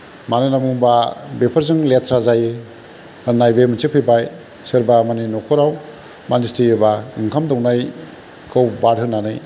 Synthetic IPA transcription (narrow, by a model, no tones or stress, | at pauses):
manɯnamuŋbabepʰaɾzɯŋletʰɾazajɯ | ɯnajbemɯt͡ʃɯpʰibaj | sɯɾbamaninɔkʰɔɾaw | manistʰiebaɯŋkʰamdɔwnaj | kʰɯwbaɾɦɯnːanɯj